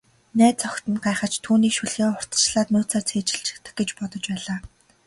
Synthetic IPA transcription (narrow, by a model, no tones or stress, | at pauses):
næːt̪t͡sɔkt̪ɘ̆nɢaːχə̆t͡ɕt̪ʰuːniːkʃuɮɣeːʊr̥t̪ə̥̆t͡ɕɮaːt̪nʊːt͡saːrt͡sʰeːt͡ɕɪ̆ɬt͡ɕʰɪ̥̆kt̪ə̆x̚ɡet͡ɕpɔt̪ɞ̆t͡ɕpæːɮaː